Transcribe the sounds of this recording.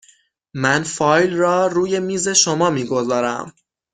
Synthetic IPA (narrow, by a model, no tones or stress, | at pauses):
mænfɒːjlrɒːruːje̞miːze̞ʃomɒːmiːɡo̞zɒːɾæ̰m